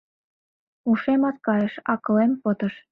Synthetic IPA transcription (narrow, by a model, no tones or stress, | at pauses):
uʃemɑt̪̚kɑjəʃɑkɤ̆lempot̪əʃ